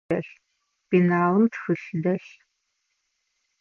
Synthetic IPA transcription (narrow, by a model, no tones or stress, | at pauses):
ɐ̰ɬ | b̥inaːwɨmtʰxɨɬdɐɬ